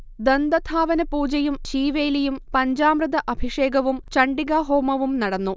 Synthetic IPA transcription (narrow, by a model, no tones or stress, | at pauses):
d̪ɐnd̪ɐt̪ʰaːʋɐnɐpuːd͡ʑɐjumɕiːʋeːlijumpɐɲd͡ʑaːmrɨd̪ɐʔɐbʱiʂeːɡɐʋumt͡ɕɐɳɖiɡaɦoːmɐʋumnɐɽɐnːu